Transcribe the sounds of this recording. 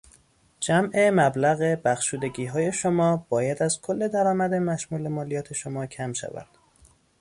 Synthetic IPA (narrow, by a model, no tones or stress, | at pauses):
d͡ʒæmʔe̞mæblæɣebæxʃuːd̪e̞ɟiːɦɒːje̞ʃomɒːb̥ɒːjæd̪æz̥kʰolːe̞d̪æɾɒːmæd̪e̞mæʃmuːlemɒːlijɒːt̪ʰe̞ʃomɒːcʰæmʃæ̰væ̰d̪̥